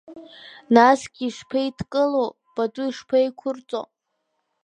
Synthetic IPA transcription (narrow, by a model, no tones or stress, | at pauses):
nasɡʲiːʂpʰejitʰkʼɨlo | b̥atʼʊiʂpʰajkʷʰʊrt͡sʼo̰